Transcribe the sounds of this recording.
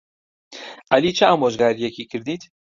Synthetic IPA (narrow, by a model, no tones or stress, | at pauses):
ʔaliːt͡ʃʰəaːmoːʒɡaːɾijɛkiːkʰɨɾd̪iːt̪